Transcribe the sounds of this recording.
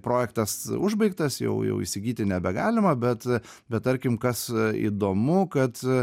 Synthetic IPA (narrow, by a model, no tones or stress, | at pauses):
pɾoːjɛkt̪ɐsʊʒbɐɪkt̪ɐsjɛ̰ʊjɛ̰ʊḭsʲɪɡʲiːt̪ʲɪnʲɛbʲɛɡɑːlʲɪmɐbʲɛt̪ | bʲɛt̪̚t̪ɐɾʲkʲɪmkɐsḭd̪oːmʊkɐt̪